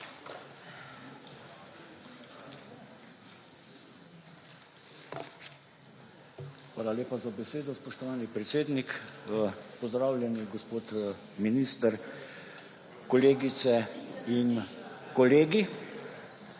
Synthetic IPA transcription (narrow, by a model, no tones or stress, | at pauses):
xʋaːlaleːpazabɛseːd̪ɔspɔʃt̪ɔʋaːnipɾɛt̪seːd̪nik | pɔzd̪ɾaːwlʲjɛniɡɔspoːt̪ | miniːst̪əɾ | kɔleːɡit̪sɛinkɔleːɡi